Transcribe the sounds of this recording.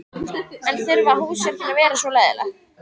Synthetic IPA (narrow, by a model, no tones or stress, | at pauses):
ɛnθʏɾvahuːsjɛt̪ɪnavɛːɾasvɔlɛːðɪ̰la̰